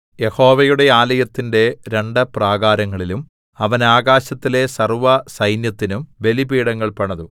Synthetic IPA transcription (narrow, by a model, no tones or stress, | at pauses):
je̞ho̞ːʋɐjuɽe̞aːlɐjɐt̪ːinde̞ɾe̞ɳɖɨpraːɣaːɾɐŋːɐɭilum | ɐʋɐnaːɡaːɕɐt̪ːile̞sɐrʋɐsɐjnjɐt̪ːinumʋe̞libiːɽɐŋːɐɭpɐɳɐðu